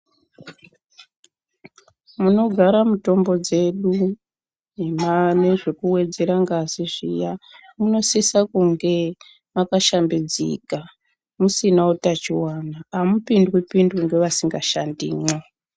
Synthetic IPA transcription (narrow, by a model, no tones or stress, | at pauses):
muno̞ɡʱaɾamuto̞mbo̞d͡ze̞ɗu | nemane̞ʐe̞kuwe̞d͡ze̞ɾaŋɡaziʐḭjamuno̞sisakuŋɡe̞ | makaʃambid͡zḭka | musinautat͡ʃiwanaːmupindwipindwiŋɡeʋasiŋɡaʃandḭːmo